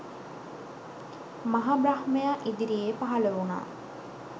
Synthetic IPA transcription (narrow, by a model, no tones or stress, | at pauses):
maɦaːbɾahmejaʔid̪iɾijepaɦɐləuna̰ː